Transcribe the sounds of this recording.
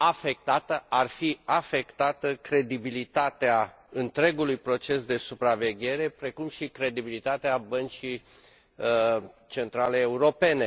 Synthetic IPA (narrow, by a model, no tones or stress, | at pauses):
afe̞k̚t̪at̪əʔarfiafe̞kt̪at̪əkɾe̞d̪ibilit̪at̪ea | ɨnt̪ɾe̞ɡulujpɾo̞t͡ʃe̞sd̪e̞supɾave̞ɡʲe̞ɾe̞pɾe̞kumʃikɾe̞d̪ibilit̪at̪eabənt͡ʃi | t͡ʃe̞nt̪ɾale̞ːuɾo̞pe̞ne̞